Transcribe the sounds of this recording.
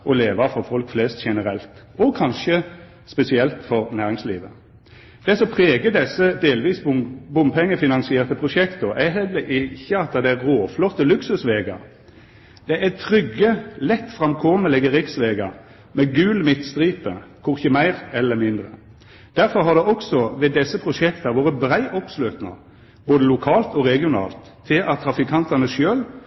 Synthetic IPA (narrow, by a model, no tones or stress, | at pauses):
ɔleːʋɑfɔʁfɔlkflɛːst̪ʃɛnəɾɛlt̪ | ɔkʰɑnʃə | spɛsɪɛlt̪fɔʁnæːʁɪŋslḭːʋə̰ | d̪̥ɛsɔpʰʁeːɡəd̪ɛsːəd̪eːlʋiːsbʊmpʰɛŋːəfɪnɑnsɪeːʁt̪əpʰʁʊʃɛkt̪ɔʔæhɛlɛʔɪçːəɑt̪̚d̪ɑd̪ɛæʁoːflɔt̪ːəlʉksʉsʋeːɡɑ | d̪̥ɛʔæt̪ʰʁʏɡːəlɛt̪ːfɾɑmkʰɔməlɛɡəʁɪksʋeːɡɑ | mɛɡʉːlmɪt̪st̪ɾiːpə̰kʰʊʁçəmæɪʁɛlːəmɪnd̪ʁə̰ | d̪̥æɾfɔɾɦɑd̪ɛʔɔksɔʋɛd̪ɛsːəpʰɾʊʂɛkt̪ɑʋoːɾəbɾæɪʔɔpsløːt̪nɑ̰ | boːd̪əlʊkʰɑːlt̪ɔʁɛɡɪʊnɑ̰ːlt̪ʰːɪlʔɑt̪ʰːɾɑfɪkʰɑnt̪ɑnəʃøːl